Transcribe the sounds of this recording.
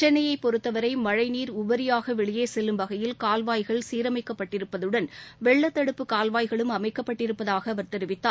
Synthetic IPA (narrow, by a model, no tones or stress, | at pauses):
t͡ʃɛnɐjɐɪpːɔɾɯt̪ːɐʋɐɾɐɪmɐɻɐɪniːɾʊʋɐɾɪjaːɣɐʋɛɭɪjeːsɛlːɯmʋɐɣɐjɪlkaːlʋaːjɣɐɭsiːɾɐmɐɪkːɐpːɐʈːɪɾɯpːɐðɯɽɐnʋɛɭːɐt̪ːɐɽɯpːɯkaːlʋaːjɣɐɭɯmɐmɐɪkːɐpːɐʈːɪɾɯpːɐðaːɣɐːʋɐɾt̪ɛɾɯʋɪt̪ːaːɾ